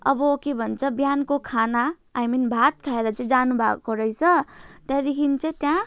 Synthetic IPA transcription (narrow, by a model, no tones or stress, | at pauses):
ʌ̰bʌkebʱʌnt͡sʰʌbjankokʰanaː | jminbʱat̪̚kʰaeɾʌt͡sʌĩd͡zanubʱakoɾʌjt͡sʰʌt̪ed̪ikʰint͡sʌ̃t̪jã